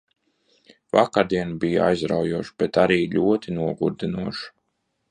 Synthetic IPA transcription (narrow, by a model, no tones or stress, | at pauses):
vakaɾd̪iɛnbijaa̰jzɾa̰wjuɔʃb̥ɛt̪aɾiːʎʲuɔt̪inuɔɡuɾd̪inuɔʃ